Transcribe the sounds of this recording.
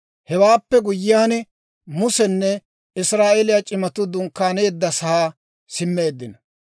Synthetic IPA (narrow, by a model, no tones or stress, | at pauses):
hɛwaːpːɛɡʊjɪjaːn | mʊsɛnːɛ | ɪsɾaːʔelɪjat͡ʃʼɪmɐt̪ʊd̪ʊŋkːaːne̞ːd̪ːɐsɐaː | sɪmːe̞ːd̪ːɪnɐ